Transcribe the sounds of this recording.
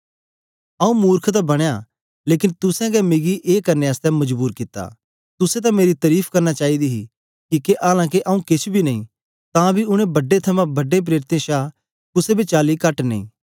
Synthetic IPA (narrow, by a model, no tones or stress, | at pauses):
ɐũmuːɾkʰt̪abɐɽ̃eja | leːkɪnt̪ʊsɛ̃ɡɛmɪɡiʔeːkɐɾneɐst̪ɛmɐd͡ʒbuːɾkɪt̪ːa̰ | t̪ʊset̪̬ãmeːɾit̪ɐɾiːpʰkɐɾnat͡ʃaːid̪iɦi | kikeʔaːlãːk̬eʔɐũkɪt͡ʃʰbʱinɐĩ | t̪ãbʱiʊɽ̃ẽbɐɖet̪ʰɐmãbɐɖẽp̬ɾeːɾɪt̪ẽʃaː | kʊsebʱit͡ʃaːlikɐʈnḛː